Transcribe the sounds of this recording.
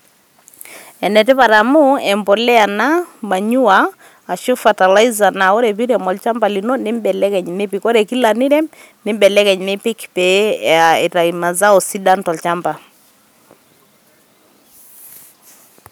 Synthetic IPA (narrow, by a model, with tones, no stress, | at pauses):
ɛ˨nɛ˨tɪ˦pa˨ɾa˨mʊ˦ɛ˨mbɔ˨lɛ˦a˨na˦ma˨ɲu˦aː˨ | ʃo˦fa˨ta˨la˦iza˨na˨ɔ˦ɾɛ˨pi˦ɾɛ˨mɔ˨lt͡ʃa˦mba˨li˨no˦nɪ˦mbɛ˨lɛ˦kɛ˨ɲnɪ˦pi˨kɔ˦ɾɛ˨ki˦la˨nɪ˦ɾɛ˦ | nɪ˦mbɛ˨lɛ˦kɛ˨ɲnɪ˦pɪ˦kpɛ˦a˨ɛ˨ɾa˨ima˨za˦ɔ˨si˦da˦ntɔ˨lt͡ʃa˦mba˨